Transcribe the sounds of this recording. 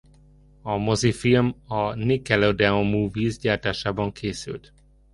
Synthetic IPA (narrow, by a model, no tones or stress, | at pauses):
ɒmozifilmɒnikɛlod̪ɛomuːviːzɟaːrt̪aːʃaːbɒŋkʰeːsy̰lt̪